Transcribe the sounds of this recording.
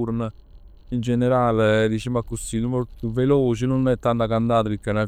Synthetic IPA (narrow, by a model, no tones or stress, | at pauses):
uɾnə | ind͡ʒeneɾaːled̪it͡ʃɛmakːusinumolt̪uveloːt͡ʃinunɛt̪ːant̪akand̪aːt̪əpikːana